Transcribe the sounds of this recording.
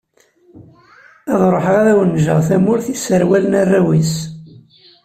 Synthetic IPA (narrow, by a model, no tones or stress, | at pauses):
æðˤɾˤoħʁaðæwənːʒə̰ʁθæmʊɾθisəɾwælənærˤːæwis